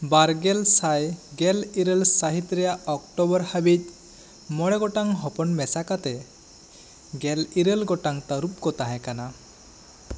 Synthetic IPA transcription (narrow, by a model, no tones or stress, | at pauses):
baɾɡɛlsajɡɛliɾəlsaɦit̪ɾɛjaɔkʈɔbɔɾhabit̪̚ | mɔɽɛɡɔʈaŋɦɔpɔnmɛsakat̪ɛ | ɡɛliɾelɡɔʈaŋt̪aɾup̚kɔt̪aɦɛ̃kana